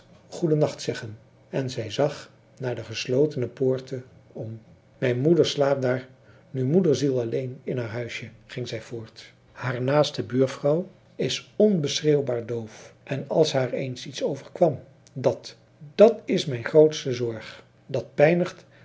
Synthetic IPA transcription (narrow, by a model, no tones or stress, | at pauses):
χudənɑχtsɛχən | ɛnzɛjzɑχ | naːɹdəχəslowtənəpoːɹtəɔm | mɛjnmudəɹslaːp̚daːɹ | nymudəɹzilˠɑlejnɪnɦaːɹɦœɥsjəχɪŋzɛjvʊːɹt | haːɹnaːstəbyːɹfrɑw | ɪsɔnbəsrewbaːɹdowfʔɛnɑ̰lˠsɦaːɹḛjnsitsowvəɹkʋɑm | dɑt | d̥ɑtɪsmɛjnχrowtstəzɔɹχ | dɑt̚pɛjnəχt